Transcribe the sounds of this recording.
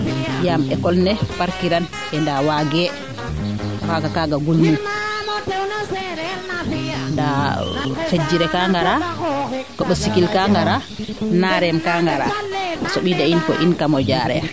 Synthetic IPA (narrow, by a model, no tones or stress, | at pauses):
jamɛkɔlnɛpaɾkiɾan | ʔɛndawaɡɛ | waɡakaɡaɡolːu | nda | fed͡ʒiɾɛkaŋɡaɾa | kɔɓɔsikilkaŋɡaɾa | naɾɛmkaŋɡaɾa̰sɔɓidainkɔ̰ʔinkamɔd͡ʒaːɾɛ̰